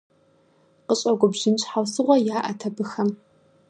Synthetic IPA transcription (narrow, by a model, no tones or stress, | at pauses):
qəɕʼɐɡʷʊbʒɪnɕʼħawsɨʁʷɐjaːʔɐtʰɐbɨxɐm